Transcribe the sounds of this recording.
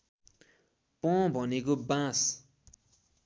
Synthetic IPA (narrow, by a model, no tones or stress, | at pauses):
pʌ̃bʱʌnekobãs